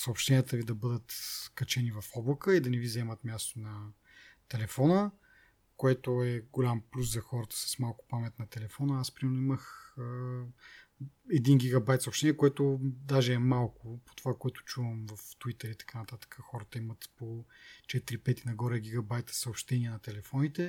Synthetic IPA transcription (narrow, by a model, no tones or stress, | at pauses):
sɐopʃt̪ɛnʲijət̪əvid̪ɐbɤd̪ət̪kɐt͡ʃɛnivɐfɔblˠəkəid̪ɐnɛvizɐɛmɐt̪mjast̪onɐ | t̪ɛlɛfɔnə | koɛt̪oɛɡolʲamplʲuszɐxɔɾət̪ə̥sə̥smalˠkʊ̥pamɛt̪nɐt̪ɛlɛfɔnəaspɾimɛɾnʊiməxə | ɛd̪inɡʲiɡɐbajt̪sopʃt̪ɛniːɛkoɛt̪od̪aʒɛːmalˠkʊpo̥t̪ovakoɛt̪ʊ̥t͡ʃuvəmvɐft̪uit̪əɾit̪ɐ̥kanɐt̪at̪ə̥kʰəxɔɾət̪əimət̪pot͡ʃɛt̪iɾipɛt̪inɐɡɔɾɛɡʲiɡɐbajt̪ə̥səopʃt̪ɛniɛnɐt̪ɛlɛfɔnit̪ɛ